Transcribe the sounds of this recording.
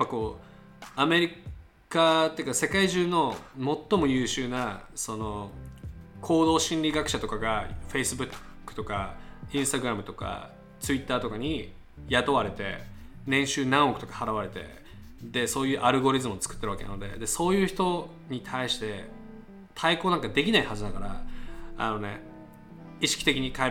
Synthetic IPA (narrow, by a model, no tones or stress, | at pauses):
japːako̞ː | ame̞ɾʲi | kat̪ːejɯ̟kase̞kaiʑɨːno̞mo̞t̪ːo̞mo̞jɯ̟ːɕɨːnaso̞no̞ | kʰo̞ːd̪o̞ːɕĩnɾʲiɡakɯ̟ɕat̪o̞kaɡaɸe̞isɨbɯ̟kːɯ̟̥t̪o̞kaĩɰ̃st̪aɡɯ̟ɾamɯ̟t̪o̞ka̰ | t͡sɨit̪ːaːt̪o̞kaɲ̟i | jat̪o̞βaɾe̞t̪e̞̰nẽ̞ɕɨːnãɰ̃okɯ̟t̪o̞kḁhaɾaβaɾe̞t̪e̞̰ | d̪e̞so̞ːjɯ̟ːʔaɾɯ̟ɡo̞ɾʲizɨmɯot͡sɨ̥kɯ̥t̪ːeɾɯakenand̪e̞̰d̪e̞so̞ːjɯ̟ːçi̥t̪o̞ | ɲ̟it̪ʰaiɕi̥t̪e̞ | t̪ʰaiko̞ːnãŋkad̪e̞kʲinaihazɨd̪aɡaɾaa̰no̞ne̞̰ | iɕi̥kʲi̥t̪e̞kʲiɲ̟ika